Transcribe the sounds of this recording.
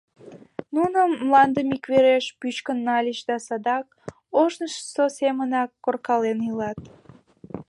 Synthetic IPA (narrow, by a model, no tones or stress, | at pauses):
nunəːlɑnd̪əmikβeɾeʃpyt͡ɕkənːɑlʲiʃd̪ɑsɑd̪ɑk | oʃnəʃsosemənɑkːorkɑlenilɑt̪̚